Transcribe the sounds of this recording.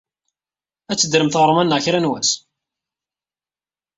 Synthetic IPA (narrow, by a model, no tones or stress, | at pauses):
æt͡sːəd̪ɾəmθʁɾˤəmænːəʁçɾænwæs